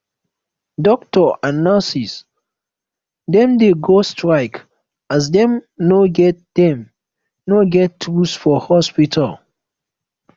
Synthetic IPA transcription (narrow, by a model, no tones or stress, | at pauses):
dɔk̚tɔãnːasis | dɛ̃mdeɡostʰɹaɪk | as̬dɛ̃mnoɡɛt̚d̥ɛ̃m | noɡɛtʰːusfɔhɔspitʰal